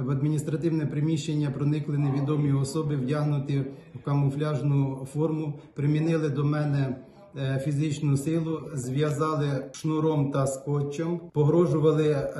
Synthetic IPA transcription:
ʋɐd̪mʲinʲist̪ɾɐt̪ɪwnɛpɾɪmʲiʃt͡ʃenʲːɐpɾɔnɪklˠɪneʋʲid̪ɔmʲiɔsɔbɪwdʲaɦnʊt̪ɪwkɐmɔflʲɑʒnʊfɔrmʊpɾɪmʲinɪlˠɪd̪ɔmɛnɛ | fʲizɪt͡ʃnʊsɪlˠʊzʋʲjɐzɑlˠɪʃnuɾɔmt̪ɐspɔt͡ʃʲːɔmpɔɦɾɔʒʊʋɐlˠɪ

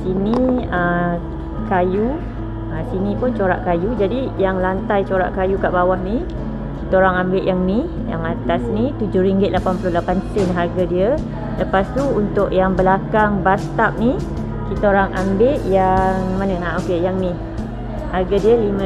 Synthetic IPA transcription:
siniə | kaju | əsinĩpʊnt͡ʃoɾa̰ʔkajud͡ʒadijaŋlant̪ajt͡ʃoɾaʔkajukaʔbawahni | kit̪aoɾaŋambɪʔjaŋni | ja̰ŋat̪asnit̪ud͡ʒʊhɾiŋɡɪt̪̚lapanpulʊlapant̪ənɦarɡadiə | ləpast̪uunt̪ʊʔjaŋbəlakaŋbast̪ap̚ni | kit̪aoɾaŋʔambɪʔjaŋmanənaokejaŋnĩ | harɡadiəlim

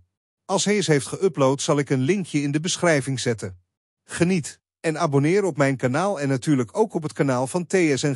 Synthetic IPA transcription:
ɑlˠsɦɛjɪsɦejftχəʔɵplowtsɑlˠɪkənlɪŋkjəɪndəbəsχrɛjvɪŋzɛtən | χənit | ɛnaːbonɪːɾɔpmɛjnkanaːlˠɛnːatyːɹləkʰowkɔp̬ɦətkanaːlˠvɑntejɛsɛn

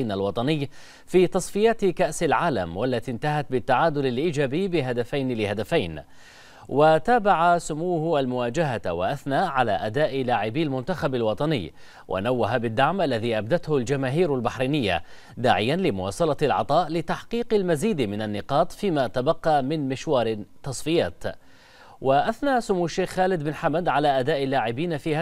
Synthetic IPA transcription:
nalwɑt̪ˤɑnɪjː | fiːt̪ɑsˤfɪjaːt̪kaʔsalʕaːla̰mwalːat̪int̪aɦat̪̚bɪt̪ːaʕaːd̪ʊlalʔiːd͡ʒaːbijːbɪɦad̪afajnlɪhad̪afajn | wat̪aːbaʕasʊmuːhʔalmʊwaːd͡ʒaɦawaʔaθnaːʔʕala̰ːʔad̪aːʔɪlaːʕɪbiːalmʊnt̪axabalwɑt̪ˤɑnɪjː | wʔa̰nawːaɦabɪd̪ːaʕmʔalːaðiːʔab̚d̪at̪hʊld͡ʒamaːɦiːɾalbaħɾiːnɪjːa̰ | d̪aːʕɪjːanlɪmʊwɑ̰ːsˤɑlɑlʕɑ̰t̪ˤɑːʔlɪt̪aħqiːqalmaziːd̪mɪnanːɪqɑːt̪ˤfiːmat̪abɑqːɑmɪnmɪʃwɑːɾɪt̪ːɑsˤfɪja̰ːt̪ | waʔaθnaːsʊmuːaʃːeːxxaːlɪd̪bɪnħamad̪ʕalaːʔad̪aːʔɪlːaːʕɪbiːnafiːha

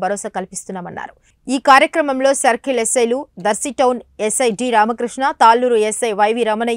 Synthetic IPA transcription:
bʱɐɾoːsakɐlipist̪unːaːmɐnːa̰ːɾu | iːkaːɾjɐkɾɐmɐmlo̞ːsɐɾkʰilesɐjlud̪ɐɾsiʈɐwnesɐjɖiɾaːmɐkɾiʂɳat̪aːlːuːɾuesɐjʋɐjʋiɾɐmɐnɐ

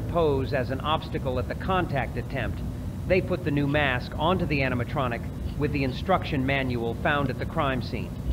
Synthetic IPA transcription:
pʰoʊzɨzn̩ɑb̥stɨkl̩ˠət̪̚ðɨkʰɑ̃ntʰæk̚tɨtʰɛ̃mp̚t̪̚ | ðeɪpʰʊt̪̚ðɨnʉmæskɑ̃ntʉðiæɾ̃əmɨtʰɹ̥ɑnɨk | wɨðiɨ̃nstɹ̥ʌkʃɨ̃nmæ̃njul̩ˠfãʊ̃ndɨt̪̚ðɨkʰɹ̥ãɪ̃msḭ̃n

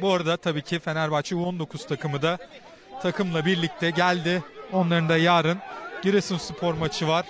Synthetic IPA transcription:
buaɾad̪at̪ʰabiːcʰife̞næɾbat͡ʃʰɯuond̪o̞kʰuz̥t̪ʰakʰɯmɯd̪a | t̪ʰakʰɯmlˠabiɾlʲic̚t̪ʰɛɟælʲd̪ɪo̞nlˠaɾɯnd̪ajaːɾɯnɟiɾesɯnsupʰo̞ɾmat͡ʃʰɯvaɾ̥

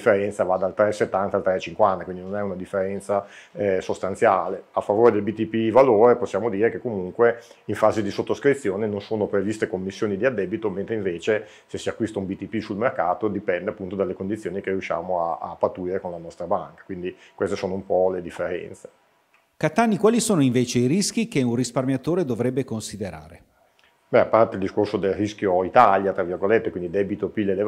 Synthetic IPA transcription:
fːeɾɛnt̪savad̪alt̪ɾɛset̪ːant̪alt̪ɾɛt͡ʃiŋkwant̪akwind̪inonɛunad̪ifːeɾɛnt̪sasost̪ant̪sjaːleafːavoːɾed̪elbit̪ipivaloːɾeposːjaːmod̪iːɾekekːomuŋkwe | iɱfaːzid̪isot̪ːoskɾit̪sːjoːnenonsoːnopɾevist̪ekomːisːjoːnid̪iad̪ːɛːbit̪oment̪ɾeiɱveːt͡ʃe | sesːiakːwist̪aumbit̪ipisulmerkaːt̪od̪ipɛnd̪eapːunt̪od̪alːekond̪it̪sːjoːnikerijuʃːa̰ːmoaːpːat̪ːuiɾekonlanɔst̪ɾabaŋkḁkwind̪ikwest̪esoːnoumpɔled̪ifːeɾɛ̰nt̪se̥ | kat̪anːikwaːlisoːnoiɱveːt͡ʃeiɾisk̟ikeunrisparmjat̪oːɾed̪ovɾɛbːekonsid̪eɾa̰ːɾe | bɛapːart̪eild̪iskorsod̪elriskjoit̪aljat̪ɾavirɡolet̪ːekwind̪id̪ɛbit̪opilːele

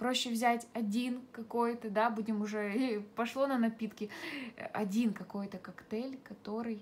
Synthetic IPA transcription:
pɾo̞ɕːɪvzʲætʲɐdʲinkɐko̞jt̪əd̪abudʲɪmʊʐɛipɐʂlˠo̞nənɐpʲit̪kʲɪɐ̰dʲinkɐko̞jt̪əkɐkt̪ɛlʲkɐt̪o̞ɾɨj

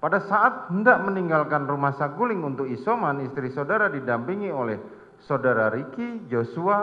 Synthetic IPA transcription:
padasaʔat̪̚həndaʔməniŋɡalkanrumahsaɡulɪŋunt̪ʊk̚isomanist̪ɾisodaɾadidampiŋiolɛh | sodaɾaɾikid͡ʒosua

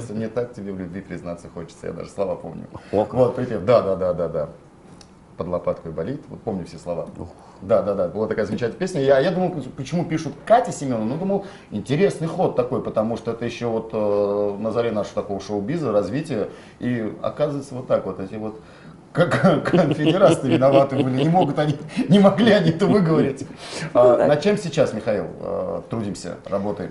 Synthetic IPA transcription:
t̪səmnʲɪt̪ak̚tʲɪbʲevlʲʊbʲvʲipʲɾʲɪznat̪səxo̞t͡ɕɪt̪səja̰d̪a̰ʐɨslˠɐvapo̞̰mnʲʊ̰vo̞t̪pɾʲɪtʲemd̪ad̪ad̪ad̪ad̪a | pəd̪lˠɐpat̪kʊɪbɐlʲit̪vot̪̚po̞mnʲɪfsʲeslˠɐva̰ | d̪ad̪ad̪abɨlˠat̪ɐkajəzəmʲɪt͡ɕɛtʲnəpesʲnʲəjajad̪uməjˠpət͡ɕɪmupʲiʂʊt̪katʲɪsʲɪmʲo̞nːənod̪uməlˠ | ɪnʲtʲɪɾʲesnɨjxo̞t̪ːɐko̞jpət̪ɐmuʂt̪oɛt̪əjɪɕːovo̞t̪ənəzɐɾʲenaʂəʋət̪ɐko̞vəʂoʊbʲizəɾɐzvʲitʲɪjə | iɐ̰kazəvəjt̪səvo̞t̪ːakvo̞t̪ɛtʲɪvo̞t̪ | kənfʲɪdʲɪɾasɨvʲɪnɐvat̪ɨbɨlʲɪnʲɪmo̞ɡʊt̪ɐnʲinʲɪmɐɡlʲiɐnʲiɛt̪əvɨɡəvɐɾʲɪtʲaɐt͡ɕemsʲɪt͡ɕasmʲɪxɐḭlˠə̰t̪ɾudʲimsʲə̰rɐbo̞t̪əjɪ̰m

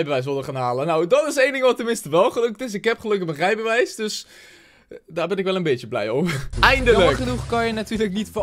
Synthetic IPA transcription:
jbəʋɛjs̬ʋɪlˠdəχaːnɦaːlənawdɑtɪsejndɪŋʋɑtːəmɪnstəʋɛlˠχəlɵktɪs̬ɪkɦɛpχəlɵkəmənrɛjbəʋɛjsdɵs | daːɹbɛnɪkʋɛlənbejt͡ʃəblɛ̰jɔpɛjndələχənuχkɑnjənatyːləknitf

